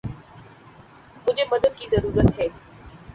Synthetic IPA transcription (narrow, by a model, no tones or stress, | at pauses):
mʊd͡ʒʱemɐd̪əd̪̚kizɐɾuːɾət̪ɦɛː